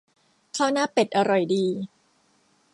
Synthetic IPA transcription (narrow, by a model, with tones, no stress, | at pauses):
kʰaː˥˩wnaː˥˩pe˨˩t̪̚ʔa˧ɾɔ˨˩jdiː˧